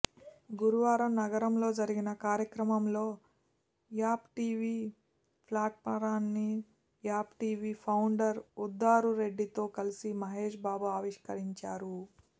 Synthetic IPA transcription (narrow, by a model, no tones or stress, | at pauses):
ɡuɾuʋaːɾɐmnɐɡɐɾɐmlo̞ːd͡ʒɐɾiɡinɐkaːɾjɐkɾɐmɐmlo̞ː | jaːpʈiːʋiː | pʰlaːʈ̚mɐɾaːnːi | jaːpʈiːʋiːpʰɐwuɳɖɐɾud̪ːaːɾuɾe̞ɖːit̪o̞ːkɐlisimɐɦeːʂbaːbuaːʋiʂkɐɾiɲt͡ʃaːɾu